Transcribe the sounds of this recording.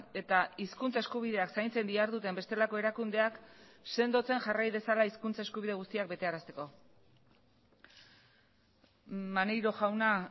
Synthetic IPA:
e̞t̪aiskunt͡sae̞skuβ̞ið̞e̞aksajnt͡se̞nd̪iaɾðut̪e̞mbe̞st̪e̞lako̞e̞ɾakund̪e̞akse̞nd̪o̞t͡se̞ŋʝarajðe̞salaiskunt͡sae̞skuβiðe̞ɣ̞ust̪iak̚be̞t̪e̞aɾast̪e̞ko̞ | manejɾo̞ʝawna

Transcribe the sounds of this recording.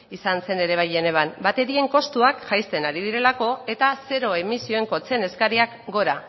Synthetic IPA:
isanse̞ne̞ɾe̞β̞ajene̞βanbat̪e̞ɾie̞ŋko̞st̪uakʝajst̪e̞naɾið̞iɾe̞lako̞e̞t̪ase̞ɾo̞e̞misio̞e̞ŋko̞t͡se̞ne̞skaɾiakɡo̞ɾa

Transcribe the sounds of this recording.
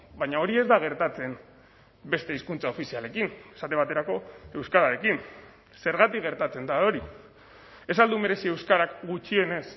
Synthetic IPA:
bajɲao̞ɾie̞zd̪aɣ̞e̞ɾt̪at͡se̞n | be̞st̪e̞iskunt͡sao̞fisiale̞kinesat̪e̞β̞at̪e̞ɾako̞e̞wskaɾaɾe̞kin | se̞ɾɣ̞at̪ikɣe̞ɾt̪at͡se̞nd̪aoɾi | e̞sald̪ume̞ɾe̞sie̞wskaɾakɡut͡ʃie̞ne̞s

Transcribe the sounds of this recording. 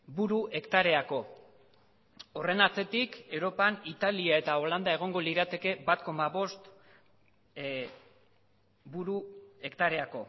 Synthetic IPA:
buɾuʔe̞kt̪aɾe̞ako̞ | ore̞naɾt͡se̞t̪ike̞wɾo̞panit̪aliae̞t̪ao̞land̪ae̞ɣ̞o̞ŋɡo̞liɾat̪e̞ke̞bat̪ko̞maβo̞st̪ | buɾue̞kt̪aɾe̞ako̞

